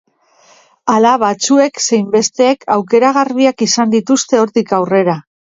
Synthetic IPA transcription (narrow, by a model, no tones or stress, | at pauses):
alaβat͡sue̞kse̞jmbe̞st̪e̞ːkʰawke̞ɾaɣ̞arβiakisand̪it̪ust̪e̞o̞ɾt̪ikawre̞ɾa